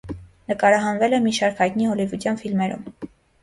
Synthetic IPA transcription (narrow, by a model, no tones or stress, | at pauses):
nəkɑɾɑɦɑnvɛlɛmiʃɑɾkhɑjt̪niɦɔlivud̪jɑnfilmɛɾṵm